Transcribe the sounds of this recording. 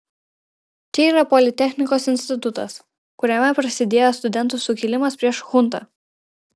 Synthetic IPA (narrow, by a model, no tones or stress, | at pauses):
t͡ʃʲɛiːɾɐpɔlʲɪt̪ʲɛxʲnʲɪkoːsɪnʲsʲt̪ʲɪt̪ʊt̪ɐ̰s | kʊɾʲɛmʲɛpɾɐsʲɪd̪ʲeːjost̪ʊd̪ʲɛnt̪ʊsʊkʲilʲɪmɐspʲɾʲiɛʃxʊnˑt̪ɐ̰